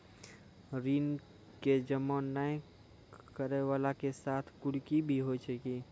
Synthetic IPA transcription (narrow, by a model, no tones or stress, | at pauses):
ɾiːn | ked͡ʒəmɔnaj̃ | kəɾeʋaːlakesaːt̪ʰkʊɽkibʱiɦoit͡ʃʰəki